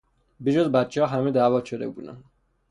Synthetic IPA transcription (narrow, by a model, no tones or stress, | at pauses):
biʃozbæt̪̚t͡ʃʰehɒːɦæmed̪æːvɒt̪ʃod̪ebṵːd̪æ̰nd̪